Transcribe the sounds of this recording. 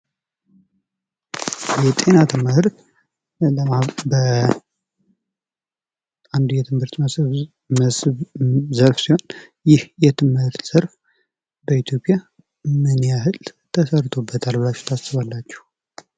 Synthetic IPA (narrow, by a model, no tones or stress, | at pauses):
jɛt̪ʼe̞nat̪ʰɨmɨhɨɾt̪ | ləabə | and̪ujɛt̪ʰɨmhɨɾt̪ | məs | zəɾfsiho̞njɪhjɛt̪ʰɨmhɨɨɾt̪ʰsɨɾf | bəit̪ʰjo̞pʼːja | mɨnijaɦɨlt̪ʰəsəɾt̪ʰo̞bːət̪ʰalbɨlat͡ʃːu̥t̪ʰasɨβalːat͡ʃːɛ̥h